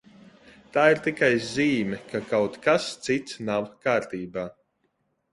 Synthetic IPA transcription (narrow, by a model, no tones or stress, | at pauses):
t̪aːiɾt̪ikajziːmʲɛkʰakawt̪kast̪sit̪snawkaːɾt̪iːbaː